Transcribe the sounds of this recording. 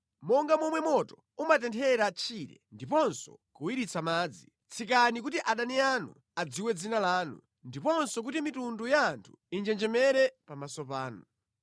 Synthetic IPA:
mɔŋɡamɔmwɛmɔtɔ̥ | umatɛntʰɛɾat͡ʃʰiɾɛ̰ndipɔnsɔ̰kuwiɾit͡sʰamaːd͡zi | t͡sʰikanikutiʔaɗanianṵ | ad͡ziwɛd͡zinalaːnṵ | ndipɔnsɔk̬utimitundujaːntʰu̥ | ind͡ʒɛnd͡ʒɛmɛɾɛpamasɔpaːnu

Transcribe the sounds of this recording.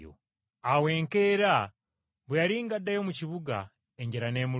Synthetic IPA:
o̰ | awe̞ːŋkeːɾa | βwejaliːŋɡadːajo̞muciβuɡa̰ | e̞ɲɟeɾane̞ːmu

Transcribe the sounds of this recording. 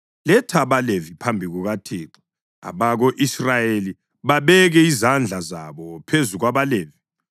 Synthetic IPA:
lɛtʰaβalevipʰambʱiɣuɣatʰiːǃi̥ | a̰βaɣoʔisrajeli | βaβɛɣɛizand͡ɮʱazaβɔpʰezuɣwaβaleːvi

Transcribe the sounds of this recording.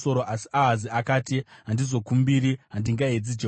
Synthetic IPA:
so̞ɾoʔasi̥aɦaziakaːtiɦandizo̞kumbiɾiɦandiŋɡaɦed͡zid͡ʒe

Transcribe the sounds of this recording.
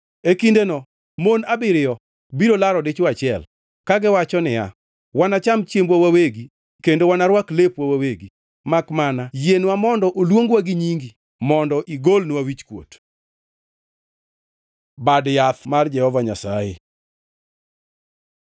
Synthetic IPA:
ekindenɔ | monabɪɾɪɔ | biɾolaɾɔdet͡ʃoat͡ʃɪɛl | kaɡɪwat͡ʃɔnɪja̰ | wanat͡ʃamt͡ʃjembwawaweɡi | kendowanaɾwaklepwawaweɡi | makmanajenwamɔndɔʔolwoŋɡwaɡɪɲiŋɡi | mɔndɔʔiɡolnwawit͡ʃkwo̰t | badjat̪mard͡ʒɛhɔvaɲasaje

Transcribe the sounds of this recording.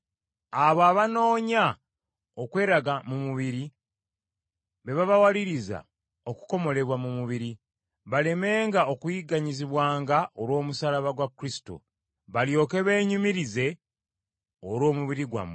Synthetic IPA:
aβoaβano̞ːɲa | okwe̞ːɾaɡamumuβiɾi | βe̞βaβawaliɾiza̰ | o̞ku̥ko̞mo̞le̞βwamumuβiɾi | βale̞me̞ːŋɡao̞kujiɡaɲiziβwaːŋɡaolwo̞ːmusalaβaɡwakːɾisi̥to̰ | βaljo̞ːke̞βe̞ːɲumiɾize̞ | oɾwo̞ːmuβiɾiɡwa̰mː

